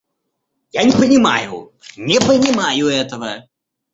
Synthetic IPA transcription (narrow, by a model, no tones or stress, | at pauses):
janʲɛpɐnʲɪma̰jṵ | nʲɛpɐnʲɪmajuɛt̪ɐvɐ